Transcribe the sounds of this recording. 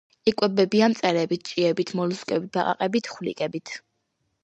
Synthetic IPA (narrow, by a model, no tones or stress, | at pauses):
ikʼwɛbɛbiamt̪sʼɛɾɛbit̪̚ʰt͡ʃʼiɛbit̪ʰmɔluskʼɛbit̪̚baqʼa̰qʼɛbit̪ʰχwlḭkʼɛbit̪ʰ